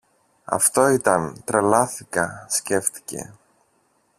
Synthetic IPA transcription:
ɐ̰ft̪o̞it̪ɐnt̪ɾelɐθikɐsce̞ft̪i̥ce̞̰

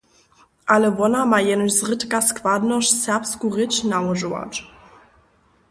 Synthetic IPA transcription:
ʔaləvɔnamajɛnəɕzʁɪt̪kaskvad̪nɔʂsɛʁpskuʁɪt͡ɕnawɔʐuwa̰ʈ͡ʂ

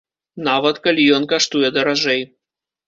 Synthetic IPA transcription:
navɐt̪kalʲijɔnkaʂt̪ujɛd̪ɐɾaʐɛj

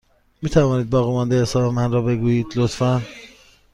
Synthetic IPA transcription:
miːt̪ʰævɒːniːd̪̚bɒːɣiːmɒnd̪ehesɒːbemænrɒːbe̞ɡuːjiːd̪lot̪fæn

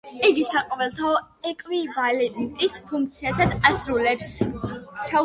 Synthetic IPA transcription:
iɡisaqʼɔvɛlˠt̪ʰaɔ | ɛkʼvivalɛnt̪ʼispʰuŋk̚ʰt̪sʰiazad̪asɾulɛps | t͡ʃʰa

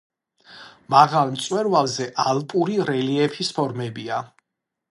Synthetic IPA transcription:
maʁalˠmt̪sʼwɛɾvalˠzɛʔalˠpʼuɾiɾɛliɛpʰispʰɔɾmɛbia

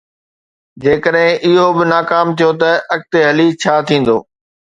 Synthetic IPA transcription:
d͡ʑeːkəɗɦɪ̃ʔɪɦobɪnaːkaːmt̪ʰijot̪ɐʔɐk̚t̪eɦɐlit͡ɕʰaːt̪ʰĩːn̆d̪o̰ː

